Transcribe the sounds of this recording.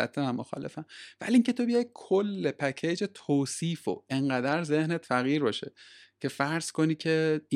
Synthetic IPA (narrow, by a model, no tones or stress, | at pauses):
æ̰t̪ʰːemæmːoxɒ̰ːle̞̰fæmvæ̰liiŋcʰe̞t̪ʰo̞bejɒjd̪̥̚kʰolːepʰæcʰed͡ʒet̪ʰoːsiːfo̰eŋɢæd̪æɾze̞hnet̪fæɣiːɾbɒːʃḛcʰe̞fæɾz̥ko̞niːcʰe